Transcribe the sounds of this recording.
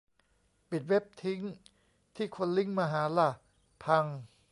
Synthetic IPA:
pi˨˩t̪̚we˦˥p̚t̪ʰi˦˥ŋ | t̪ʰiː˥˩kʰo˧nli˥˩ŋmaː˧ɦaː˩˦la˧˩ | pʰa˧ŋ

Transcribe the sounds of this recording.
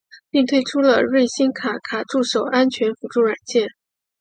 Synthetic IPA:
pi˥˧ŋt̪ʰwe˥ɪʈ͡ʂʰu˥lə̰˨ɻwe˥˩ɪɕi˥nkʰa˨˥kʰa˨˩ʈ͡ʂu˥˩ʂo˨˩ʊʔa˥nt͡ɕʰɥɛ˧˥nfu˧˥ʈ͡ʂu˥˩ɻa˨˩nt͡ɕjɛ˥˩n

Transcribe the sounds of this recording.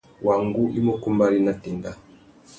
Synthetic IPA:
wa˨ŋɡu˦ʔi˦mo˦ku˦mba˦li˦na˨ti˨nda˨

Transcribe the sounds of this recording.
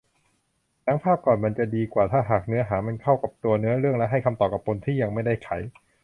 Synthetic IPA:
nʰa˦˥ŋpʰaː˥˩p̚kɔː˨˩nma˧nt͡ɕa˨˩diː˧kwaː˨˩t̪ʰaː˥˩ɦaː˨˩k̚nɯ˦˥ɐɦaː˩˦ma˧nkʰa˥˩wka˨˩p̚t̪u˧ɐnɯ˦˥ɐɾɯ˥˩əŋlɛ˦˥ʔɦa˥˩jkʰa˧mt̪ɔː˨˩p̚ka˨˩p̚ʰːo˧nt̪ʰiː˥˩ja˧ŋma˥˩jda˥˩jkʰa˩˦j

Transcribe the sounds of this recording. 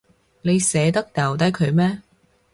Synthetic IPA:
ne˨˧jsɛː˨˥t̪ɐ˥k̚t̪ɐ˨˩wt̪ɐ˨˥jkʰɵ˨˧ɥmɛː˥

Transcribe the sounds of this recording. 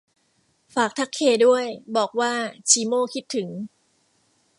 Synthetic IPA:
faː˨˩k̚t̪ʰa˦˥kʰːeː˧du˥˩əjbɔː˨˩k̚waː˥˩t͡ɕʰiː˩˦moː˥˩kʰi˦˥t̪ʰːɯ˩˦ŋ

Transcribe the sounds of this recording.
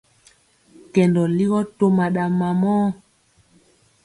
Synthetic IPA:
kɛ˨ndɔ˨li˦ɣɔ˦to˦ma˨ɗa˨ma˨mɔː˦

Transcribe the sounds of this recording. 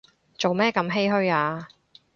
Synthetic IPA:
t͡so˨wmɛː˥kɐ˧˥mɦe˥jɦɵ˥ɥaː˧

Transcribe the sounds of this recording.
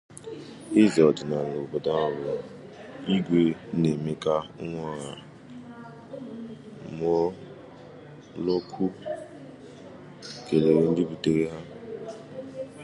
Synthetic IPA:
ɪ˦ze˨ɔ˨dɪ˨na˨lo˨o˨bɔ˨da˦ɔ˦ɾʊ˨ | i˦ɡʷe˦ne˨me˦ka˦ʊ˦ŋʷɔ˦˨ɣa˨ | mɔ˦ | lo˦kʰu˦ | ke˨le˨ɾe˦n̩˦dɪ˦bu˨te˦ɾe˦ɦa˦

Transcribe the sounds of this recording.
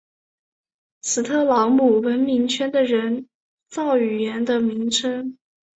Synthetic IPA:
t͡sʰɹ̩˨˩t̪ʰɤ˥˩lɑ˧˥ŋmu˨˩wə˧˥nmi˧˥ŋt͡ɕʰɥɛ˥nd̪ə˨ɻə˧˥n | t͡sɑ˥˩ʊy˨˩ɥɛ˧˥nd̪ə˧mi˧˥ŋʈ͡ʂʰə˥ŋ

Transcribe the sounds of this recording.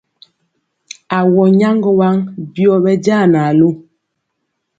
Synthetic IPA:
a˨wɔ˨ɲa˦ŋɡɔ˦wa˦ŋbjɔ˦ɓɛ˦d͡ʒa˦˨na˨lo˦˨

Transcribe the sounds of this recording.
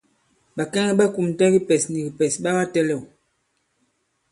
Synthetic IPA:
ɓa˨kɛ˦ŋɛ˦ɓa˦ku˨m˨tɛ˦ɣi˦pɛ˨sni˨ɡi˨pɛ˨sɓa˦ɣa˦tɛ˦lɛ˨w

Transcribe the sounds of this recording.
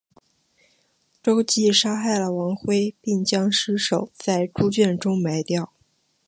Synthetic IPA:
ʈ͡ʂo˥ʊt͡ɕi˥˩ʂa˥xa˥˩ɪlə˩wɑ˧˥ŋxwe˥ɪpi˥˩ŋt͡ɕjɑ˥ŋʂɻ̩˥ʂo˨˩ʊt͡sa˥˩ɪʈ͡ʂu˥t͡ɕɥɛ˥˩nʈ͡ʂʊ˥ŋma˧˥ɪt̪jɑ˥˩ʊ

